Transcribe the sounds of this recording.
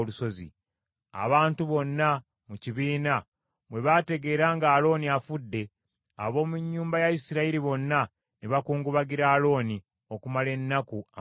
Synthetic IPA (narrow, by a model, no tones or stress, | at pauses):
luso̞zḭ | a̰βaːntuβo̞nːa | muciβiːna | mwe̞βate̞ɡe̞ːɾaːŋɡaːlo̞ːniafudːe̞ | a̰βo̞ːmuɲːuːmbajaisiɾaiɾiβo̞nːa | niβakuːŋɡuβaɡiɾaːlo̞ːni | o̞kumale̞nːakua